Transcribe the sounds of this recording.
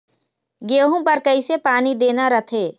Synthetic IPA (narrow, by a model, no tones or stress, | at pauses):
ɡeːɦũpɐɾkəisepaːnid̪eːnaɾət̪ʰeː